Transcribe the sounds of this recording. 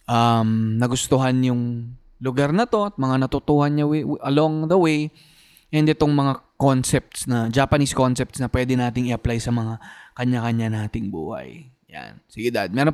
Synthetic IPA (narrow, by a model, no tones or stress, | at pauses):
ʔɐmnɐɡʊst̪ʊɦanjʊŋ | lʊɡaɾnɐt̪o̞ɐt̪̚mɐŋanɐt̪ʊt̪uːhɐnɲawɪʔɐlo̞ŋðɐwej | ʔɛnd̪ɛt̪o̞ŋmɐŋako̞nsɛp̚t̪snɐd͡ʒaːpɐnisko̞nsɛpt̪snɐpwɛd̪ɛnaːt̪ɪŋɪʔɐplajsɐmɐŋakɐɲːakɐɲanaːt̪ɪŋbṵːhɐ̰jja̰nsɪɡɪd̪ad̪̚mɛɾo